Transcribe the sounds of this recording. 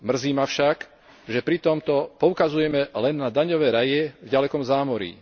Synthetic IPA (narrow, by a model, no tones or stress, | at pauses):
mr̩ziːmafʃak | ʒɛpɾit̪ɔmt̪ɔpɔʊkazujɛmɛlɛnːad̪aɲɔʋɛːɾajɛvɟalɛkɔmzaːmɔɾḭ